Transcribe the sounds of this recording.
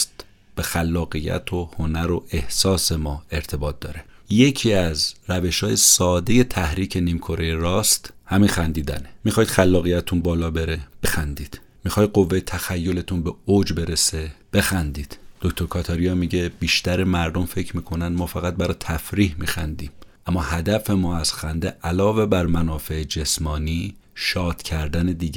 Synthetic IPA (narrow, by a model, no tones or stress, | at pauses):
st̪ | b̥e̞xælːɒːɣijæ̰t̪ʰohonæɾo̞ʔe̞hsɒːse̞mɒːe̞ɾt̪ʰe̞bɒːt̪̚d̪ɒ̰ːɾe̞je̞cʰiæzɾæve̞ʃhɒːjesɒːd̪e̞je̞t̪ʰæhɾiːcʰe̞niːmkʰo̞ɾejeɾɒːst̪hæmiːnxænd̪iːd̪æ̰nemixɒːjid̪̥xælːɒːɣijæt̪ʰunbɒːlɒːbe̞ɾe̞b̥e̞xænd̪iːd̪̥ | mixɒːjd̪̚ɢovːejet̪ʰæxæjːo̞le̞t̪ʰunbeod͡ʒbe̞ɾe̞seb̥e̞xænd̪iːd̪̥d̪̥o̞ct̪ʰoɾkʰɒt̪ʰɒːɾijɒːmiɟe̞b̥iːʃt̪æɾemæɾd̪o̞mfe̞cʰmiːkʰo̞nænd̪mɒːfæɣæt̪̚bæɾɒːt̪ʰæfɾiːhmiːxænd̪iːmʔæmːɒːhæd̪æfe̞mɒːæz̥xænd̪eʔælɒːve̞bæɾmænɒːfe̞ed͡ʒe̞smɒːniː | ʃɒːd̪̥cʰæɾd̪æne̞d̪iːɟ